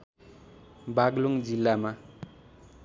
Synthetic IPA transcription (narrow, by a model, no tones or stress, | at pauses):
baɡloŋd͡zilːama